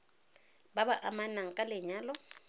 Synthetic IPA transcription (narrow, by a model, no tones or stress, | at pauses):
babaʔamanaŋ̩kʼalɪɲaːlɔ